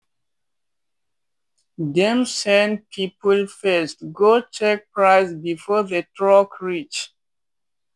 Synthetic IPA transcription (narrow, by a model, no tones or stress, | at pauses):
dɛ̃msɛ̃nd̚pʰipəlfɛstɡot͡ʃɛk̚pɹaɪsbifɔðətʰɹɔkɹit͡ʃ